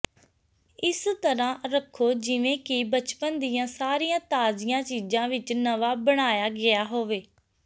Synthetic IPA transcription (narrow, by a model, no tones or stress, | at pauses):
ɪst̪əɾãːɾəkʰːoːd͡ʒɪʋẽːkɪbət͡ʃpənd̪ijãːsaːɾijãːt̪aːzɪjãːt͡ʃiːd͡ʒãːʋɪt͡ʃnəʋaːbəɽ̃aːjaːɡɪaːɦoːʋeː